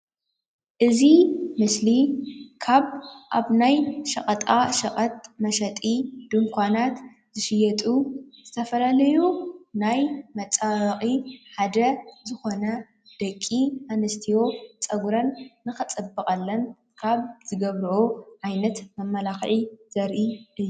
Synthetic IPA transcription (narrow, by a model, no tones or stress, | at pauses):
ʔɨzimɨslikʰaβʔaβnajʃɐχʼɐt̪ʼaʃɐqʼɐt̪̚mɐʃɐt̪ʼid̪̥ɨŋkʷʰanat̪ | zɨʃɪjɐt̪ʼuz̥ɨt̪ʰɐfɐlalɐjunajmɐt͡sʼawɐxʼiħad̪ɐzɨxo̞nɐ | d̪̥ɐkʼːianɐst̪ʰijo̞t͡sʼɐɡɾɐnːɨxɐt͡sʼɐbːɨkʼɐlːɐn | kʰaβz̥ɨɡɐβɾɨʔoʕajnɐt̪mɐmːɐlaxʕiz̥ɐɾʔiʔɨjːu